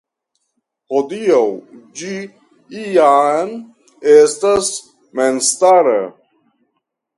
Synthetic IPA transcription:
hod̪ijawd͡ʒi | ijan | est̪as | menst̪aɾə

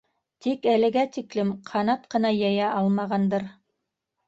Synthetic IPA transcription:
t̪ikælɘ̆ɡæt̪iklɘmqʰɑnɑt̪qɤ̆nɑjɑjæʔɑlˠmɑʁɑnd̪ɤɾ

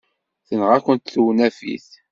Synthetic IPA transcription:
θənʁækʷənt̪θuwnæfḭθ

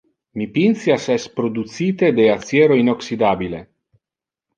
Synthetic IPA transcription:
mipinsjasɛspɾod̪ut̪sit̪ed̪eat̪sjeɾoinoksid̪aːbile

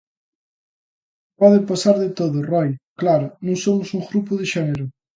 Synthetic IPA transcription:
pɔðɪpasaɾðɪt̪oðʊrɔjklaɾʊnũŋsomʊsuŋɡɾupʊðeʃɛneɾʊ

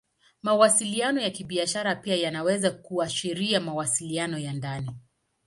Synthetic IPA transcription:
mawasilianɔjakiɓiaʃaɾapiajanawɛzakuaʃiɾiamawasilianɔjandani

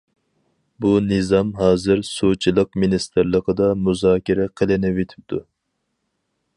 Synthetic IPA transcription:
bunɨzɑmɦɑːzɨɾsut͡ʃʰilˠəq̚minist̪ʰɨɾlˠəqəd̪ɑmuzɑːkʲiɾɛqʰəlˠɨnɪvet̪ʰɪ̥p̚t̪ʰu

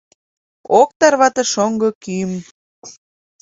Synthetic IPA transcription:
ok̚t̪ɑrβɑt̪ɤ̆ʃoŋɡɤ̆kym

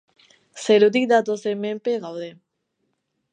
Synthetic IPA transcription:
seɾut̪̬ik̚d̪at̪osemempeɣawðe

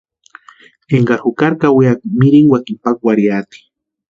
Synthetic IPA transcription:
eŋɡaɾxukaɾkawiak̚miɾiŋwakimpak̚waɾiat̪i̥

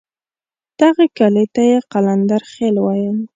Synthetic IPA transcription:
d̪̥aɣakalet̪ajeqaland̪aɾxelwɑjəm

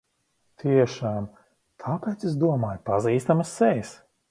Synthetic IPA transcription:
t̪ʰiɛʃaːm | t̪ʰaːpɛːt̪ses̬d̪uɔmaːjpaziːst̪amɐsːɛjs

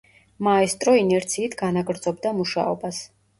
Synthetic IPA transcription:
maɛst̪ʼɾɔinɛɾt̪sʰiːt̪ʰɡanaɡɾd̪z̥ɔbd̪amuʃa̰ɔbas

